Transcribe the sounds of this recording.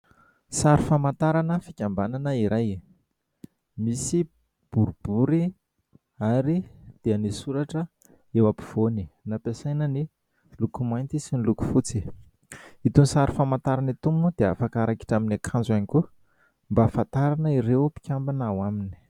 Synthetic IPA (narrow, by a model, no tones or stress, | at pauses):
saɾifamant̪aɾanəfikʲambananəiɾaj | misi | b̥uɾub̥uɾi | aɾid̪̥eanisuɾaʈ͡ʂə | ewapi̥v̥oninapesajnəni | lukumajnt̪isiniluku̥fut͡si | it̪unisaɾifamant̪aɾanit̪umud̪̥ea̰fakaɾaki̥ʈ͡ʂaminakʰanzaniku | mbafant̪aɾanəiɾewpi̥kʲambanawamini̥